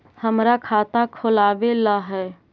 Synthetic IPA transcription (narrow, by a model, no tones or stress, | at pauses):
həmɾakʰaːt̪akʰʊlaːʋelaɦɛː